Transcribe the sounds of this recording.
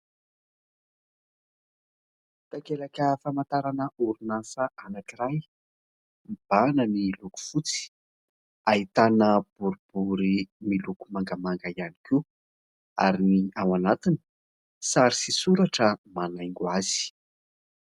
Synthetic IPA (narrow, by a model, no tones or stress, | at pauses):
t̪akelakʲəfamant̪aɾanəuɾunasəʔanakiɾaj | mib̥anəmiluku̥fut͡si̥ | ait̪anəb̥uɾub̥uɾimilukumaŋɡamaŋɡaianiki | a̰ɾiniawanat̪ini̥ | saɾisisuɾaʈ͡ʂəmanajŋɡuaz̥i̥